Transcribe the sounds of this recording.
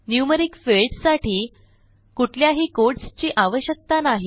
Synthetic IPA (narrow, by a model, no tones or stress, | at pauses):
njuməɾikfelɖsaʈʰiː | kuʈʰljaɦiːkoɾʈst͡ɕiːʔaʋəɕjək̚t̪anaɦi